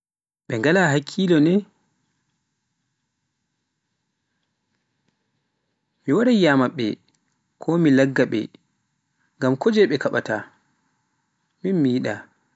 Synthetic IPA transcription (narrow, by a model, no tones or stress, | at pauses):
ɓɛŋɡalaɦakʰːilɔnɛ | miwaɾajamaɓːɛ̰ | kʰɔmilaɡːaɓɛ̰ | ŋɡamkɔd͡ʒɛɓɛkaɓa̰ta | minmijiɗa